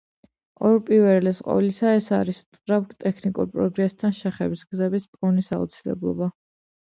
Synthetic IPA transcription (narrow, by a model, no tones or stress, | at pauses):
ɔɾpʼivɛlɛsqʼɔ̰vlisaɛsaɾist̪ʼɾapɡt̪ʼɛkʰnikʼṵɾpʼɾɔɡɾɛst̪ʰanʃɛχɛbisɡzɛbispʼɔnisa̰ṵt̪sʰilɛ̰blˠɔ̰ba